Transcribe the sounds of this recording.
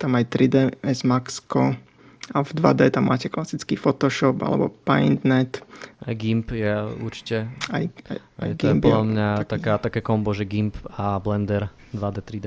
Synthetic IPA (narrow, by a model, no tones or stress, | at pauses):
t̪amajt̪ɾid̪ɛɛzmakskɔ | ʔavd̪ʋad̪ɛːt̪amːa̰ːcɛklasit͡skifɔt̪ɔʃɔpa̰lɛ̰bɔ̰pajnd̪nɛt̪ajɡimpjɛṵɾt͡ʃi̥cɛajaa̰jtɡ̪impɔɛdamɲat̪akaːt̪akɛkɔmbɔʒɛɡimpablɛnd̪ɛɾ | d̪ʋad̪ɛt̪ɾid̪ɛ